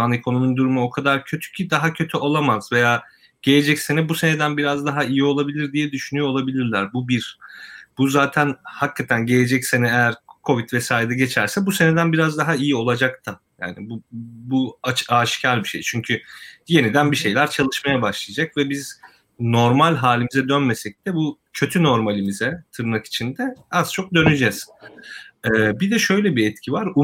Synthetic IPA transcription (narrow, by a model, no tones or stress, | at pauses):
anekʰo̞nomund̪uɾumuo̞kʰad̪aɾcʰø̞t̪ʰy̥cʰid̪aɦacʰøt̪ʰyʔo̞lˠamazve̞jaː | ɟ̥e̞lʲe̞d͡ʒɛcse̞nɛbuse̞ned̪ænbiɾazd̪aɦaijio̞lˠabilʲiɾd̪ijɛd̪yʃynyjoolˠabilʲiɾlʲæɾbubiɾ̥b̥uzaːt̪ʰænhakʰːat̪ʰænɟe̞lʲe̞d͡ʒɛcse̞nɛejæɾkʰo̞vit̪vɛsaːjɾed̪ɛɟe̞t͡ʃʰæɾsɛbuse̞ned̪ænbiɾazd̪aɦaijio̞lˠad͡ʒakt̪ʰaja̰ːnibubuat͡ʃaːʃcʰaɾbiʃḛjt͡ʃʰyɲcʰyje̞nid̪ænbiʃe̞jlʲæɾt͡ʃʰalˠɯʃmajabaʃlˠajad͡ʒakvɛbiz | no̞ɾmalʲɦaːlʲimizɛd̪ønme̞sɛc̚d̪ɛbucʰø̞t̪ʰyno̞ɾmalʲimizɛt̪ʰɯɾnaki̥t͡ʃʰind̪ɛazt͡ʃʰo̞k̚d̪ø̞nyd͡ʒɛz̥ | ɛːbid̪ɛʃø̞jlʲɛbiɛt̪cʰivaɾu